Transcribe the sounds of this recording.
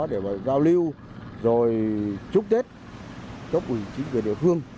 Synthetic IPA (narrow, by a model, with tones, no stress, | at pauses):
ɗe˧˩va̰ː˨zaː˧wli˧w | zo˨˩jt͡ɕʊ˦˥k͡p̚t̪e˦˥t̚ | t͡ɕə˦˥k͡p̚ʔi˧˩˨t͡ɕï˨˦ŋve˨˩ɗḭ˧˨əfɨ˧əŋ